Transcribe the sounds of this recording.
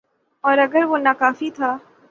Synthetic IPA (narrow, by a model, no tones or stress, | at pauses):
ɔːɾɐɡəɾʋonakaːfit̪ʰaː